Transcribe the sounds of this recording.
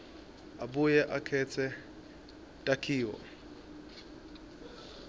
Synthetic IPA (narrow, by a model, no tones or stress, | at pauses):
abujɛʔakʰɛt͡sʰɛ | tʼakʰiːwɔ̰